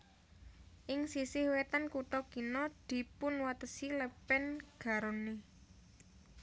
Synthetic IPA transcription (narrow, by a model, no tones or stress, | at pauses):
ʔɪŋsisɪhwet̪ankut̪ɔɡ̥i̤nɔd̪̥i̤pʊnwat̪əsiləpɛnɡ̥a̤ɾone